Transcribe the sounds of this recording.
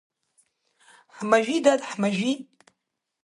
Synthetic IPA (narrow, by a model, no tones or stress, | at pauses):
ħmaʒʷid̪ad̪ħmaʒi